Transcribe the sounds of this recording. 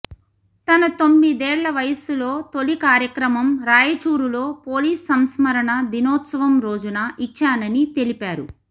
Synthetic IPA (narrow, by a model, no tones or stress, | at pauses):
t̪ɐnɐt̪o̞mːid̪ɛːɭːɐʋɐjɐsuloːt̪olikaːɾjɐkɾɐmɐmɾaːjɐt͡ʃuːɾulo̞ːpoːliːsːɐmsmɐɾɐɳɐd̪inɔːt̪sɐʋɐmɾo̞ːd͡ʒunaːʔit͡ʃːaːnɐnit̪e̞lipaːɾṵ